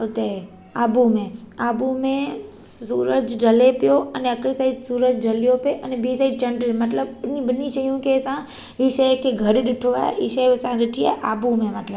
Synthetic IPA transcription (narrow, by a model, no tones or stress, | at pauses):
ʊt̪e | aːbumẽ | aːbumẽ | suːɾəd͡ʒɖʱɐlepjoɐneəkɾisaːid̪suːɾəd͡ʒɖʱɐlijõpeʔɐnɛbisaːid̪̚t͡ʃɐ̃ɳɖəmɐt̪ləbɪnĩbənit͡ʃɐɦijũkesã | iʃəkeɡʱɐɽɗɪʈʰoa̰ːiʃesãɾɪʈʰia̰ːʔaːbumẽmɐt̪ləb